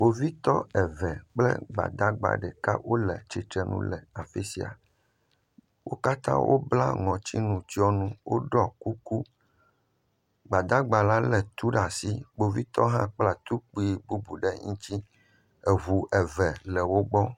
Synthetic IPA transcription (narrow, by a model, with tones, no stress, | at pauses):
ɡ͡bo˨vi˦t̪ɔ˦ɛ˨vɛ˨k͡plɛ̰˦ɡ͡ba̰˨d̪a˦ɡ͡ba̰˨ɖɛ˨ka̰˦wʔo˦lɛ̰˨t͡ʃi˨t̪ɾɛ˨nṵ̃˦lɛ˨a˨fi˦si˦a̰˨ | wʔo̰˦ka˦t̪ã̰˦wʔo̰˦bla̰˦ŋɔ̃˨t͡ɕi˦nũ˨t͡ɕi˦ɔ˦nũ˦wʔo˦ɖɔ˦ku˦ku˦ | ɡ͡ba˨d̪a˦ɡ͡ba˨la˦lɛ˨t̪u˦ɖa˨si˦bo˨vi˦t̪ɔ˦ɦã˦k͡pla˦t̪u˦k͡pu˦i˦bu˦bu˨ɖɛ˦ŋĩ˦t͡ɕi˦ | ɛ˨ɦu˨ʔɛ˨vɛ˨lɛ˨wo˦ɡ͡bɔ˦